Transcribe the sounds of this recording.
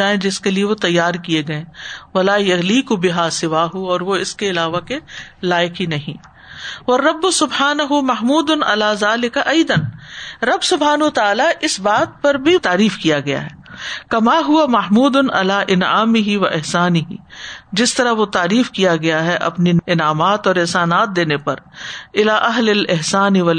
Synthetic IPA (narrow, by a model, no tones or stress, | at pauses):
aːẽd͡ʒɪskelieʋot̪ɐjːaːɾkijeɡɐẽːʋɐlaːjɐɣliːkʊbɪɦaːsɪʋaːɦʊɔːɾʋoɪskeɪlaːʋakelaːjɪkinɐɦĩː | ʋɐrːɐbːʊsʊbhaːnɐɦʊmɐɦmuːd̪ʊnɐ̰laːzaːlɪkaʔɐjd̪ɐnɾɐbsʊbɦaːnɐt̪aaːlaʔɪsbaːt̪̚pɐɾbʱit̪aːɾiːfkijaɡɐja̰ɦɛːkɐmaːɦʊʋamɐɦmuːd̪ʊnɐ̰laːʔɪnʕaːmɪɦiʋɐʔɪɦsaːnɪɦḭd͡ʒɪst̪ɐɾaʋot̪aːɾiːfkijaɡɐjaɦɛʔɐ̰pniɪnaːmaːt̪ɔːɾɪɦsaːnaːt̪̚d̪eːnepɐɾɪlaːʔɐɦlɪlɪɦsaːnɪʋɐl